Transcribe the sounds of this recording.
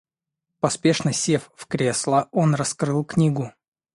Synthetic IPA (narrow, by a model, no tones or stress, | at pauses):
pɐspʲeʂnəsʲeffkɾʲeslˠəonrɐskɾɨlˠknʲiɡʊ